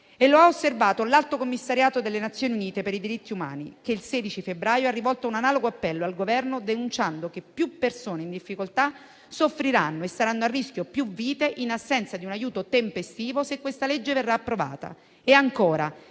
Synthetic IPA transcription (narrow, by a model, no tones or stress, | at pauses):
elːoaosːervaːt̪olalt̪okomːisːaɾjaːt̪od̪elːenat̪sjoːniuniːt̪epeɾid̪iɾit̪ːiuma̰ːnḭkeilseːd̪it͡ʃifebɾaːjoɛrːivɔlt̪ounanaːloɡoapːɛlːoalɡovɛrnod̪enunt͡ʃand̪okepːjupːersoːneind̪ifːikolt̪a | sofːɾiɾanːoesːaɾanːoarːisk̟jopjuviːt̪eʔinasːɛnt̪sad̪iunajuːt̪ot̪empest̪iːvosekːwest̪aled͡ʒːeverːaːpːɾova̰ːt̪a̰ | eaŋkoːɾa